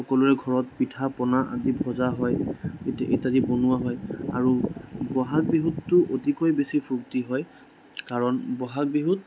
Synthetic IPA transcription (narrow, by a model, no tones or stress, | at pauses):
xɔkɔluɹɛɡʱɔɹɔt̚pitʰapɔnaʔa̰dibʱɔzaɦɔjetʔejtadibonʊwaɦɔja̰ɹubɔɦak̚biɦutːʊʔotikojbesipʰɹuktiɦɔj | kaɹɔnbɔɦak̚biɦut̚